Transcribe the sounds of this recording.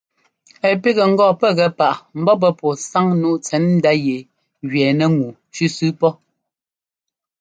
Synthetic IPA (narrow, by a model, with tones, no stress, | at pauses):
ɛ˨pi˦ɣɛ˨ŋ̩˦ɡɔː˦˨pɛ˦ɣɛ˨˦pa˨ʔm̩˦bɔ˦p̬ɛ˦pɔ˨sa˦ŋnu˦t͡sɛ˨˦nn̩˦da˦je˨ | ɣɥɛː˨nɛ˦ŋu˨ | ʃʉ˦sʉ˦pɔ˦